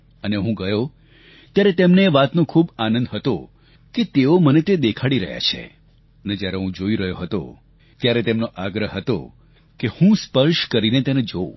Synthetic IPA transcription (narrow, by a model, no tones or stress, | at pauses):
əneɦũɡəjo | t̪jaɾet̪emneʋat̪nõkʰubanə̃nd̪ɦət̪o | ket̪eomənet̪ed̪ekʰaɽiɾə̰ɦja̰t͡ʃʰḛ | əned͡ʒjaɾeɦũd͡ʒoiɾəɦjoɦət̪o̰ | t̪jaɾet̪emnoʔaɡɾəɦɦːət̪o̰ | kehũspəɾʃkəɾinet̪ened͡ʒo